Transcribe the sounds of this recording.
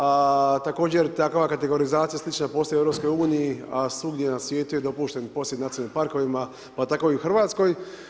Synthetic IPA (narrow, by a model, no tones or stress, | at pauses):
at̪ako̞ːd͡ʑeɾt̪akoʋakat̪eɡo̞ɾizaːt̪ijaslˠit͡ʃnapo̞ːsoeevɾopsko̞juːnijiasuɡd̪jenasʋje̞ːt̪uje̞d̪o̞puːʃt̪enpo̞sjenat̪inimpaɾko̞ʋima | pat̪ako̞iuxr̩ʋaːt̪sko̞j